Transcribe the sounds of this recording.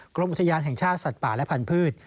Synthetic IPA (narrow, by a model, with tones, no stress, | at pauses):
kɾo˧mʔu˨˩t̪ʰːjaː˧nɦɛ˨˩ŋt͡ɕʰaː˥˩t̪̚sa˨˩t̪̚paː˨˩lɛ˦˥pʰa˧npʰɯː˥˩t̪̚